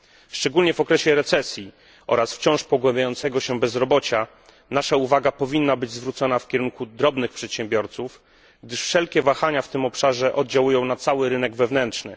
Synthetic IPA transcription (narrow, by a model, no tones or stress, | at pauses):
ʂt͡ʂɛɡulɲɛvɔkɾɛɕɛɾɛt̪sɛsʲji | ʔɔ̰ɾasft͡ɕɔ̃w̃ʂpɔɡwɛ̃mbʲjajɔnt̪sɛɡɔɕɛbɛzɾɔbɔt͡ɕa | naʂauvaɡapɔvʲinːabɘd͡ʑzvɾut̪sɔnafkʲɛɾuŋkud̪ɾɔbnɘxpʂɛt̪ɕɛ̃mbʲjɔɾt̪suf | ɡd̪ɘʂfʂɛlkʲɛvaxaɲaft̪ɘmɔpʂaʐɛʔɔd̪d͡ʑawujɔ̃w̃nat̪sawɘɾɘnɛɡvɛvnɛntʂnɘ̰